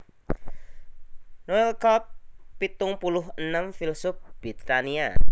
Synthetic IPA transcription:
noɛlkɔp̚pit̪ʊŋpulʊɦənəmfilsʊp̚b̥it̪ania

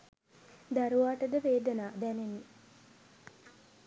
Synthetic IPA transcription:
d̪aɾuʋaːʈəd̪əʋeːd̪ənaːd̪æneni

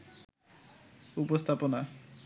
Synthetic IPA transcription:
upost̪ʰapona

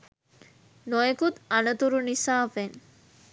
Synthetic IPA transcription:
noekut̪ɐnɐt̪uɾunisaːfeŋ

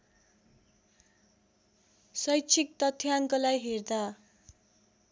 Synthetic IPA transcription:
sʌjt͡sʰik̚t̪ʌt̪ʰːjaŋkʌlajɦerd̪a

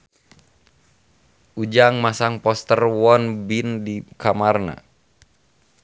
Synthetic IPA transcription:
ʔud͡ʒaŋmasaŋpɔst̪ərwɔnbindikamarna̰

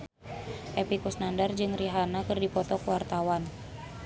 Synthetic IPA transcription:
ʔɛpikusnandard͡ʒɨŋriɦanakɨrdipɔt̪ɔkuwart̪awan

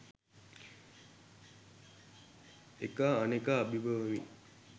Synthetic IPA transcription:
ekaːnekaːbibəʋəʋḭ

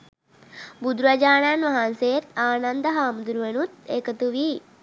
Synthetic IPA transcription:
bud̪ɾad͡ʒaːnanʋɐɦansejet̪aːnand̪əɦaːmud̪uɾuʋenut̪ekət̪uʋi

